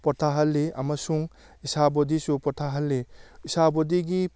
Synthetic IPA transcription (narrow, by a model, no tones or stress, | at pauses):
pɔtʰaɦɐlːiamɐsuŋ | isabɔdisupɔtʰaɦɐlːiisabɔdiɡi